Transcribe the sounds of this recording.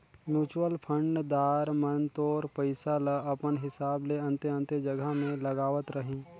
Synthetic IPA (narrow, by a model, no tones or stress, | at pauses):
mjuːt͡ʃwəlpʰə̃ɳɖd̪aːɾmənt̪oːɾpəɪsalaʔɐpənɦɪsaːbleɐ̃nt̪eə̃nt̪ed͡ʒɐɡʱəmẽlɐɡaːʋət̪ɾəɦĩː